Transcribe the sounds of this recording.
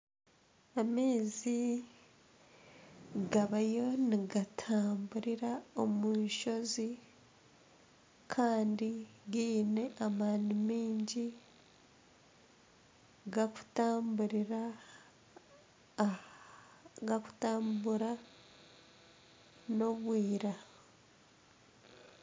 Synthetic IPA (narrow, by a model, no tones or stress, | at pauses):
ameːzi | ɡaβajo̞niɡatʰaːmbuɾiɾaomunʃo̞zi | kʰaːndiɡiːne̞ʔamaːnimiːɲɟi | ɡaku̥taːmbuɾiɾa | ɡaku̥taːmbuɾa | no̞βwiːɾa